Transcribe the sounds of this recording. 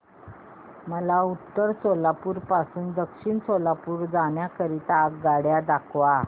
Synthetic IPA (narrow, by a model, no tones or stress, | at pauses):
məlaut̪ːəɾsolapuːɾpasuːnd̪əkʂiːɳsolapuːɾd͡zaɳjakəɾit̪akɡaɽjad̪akʰʋa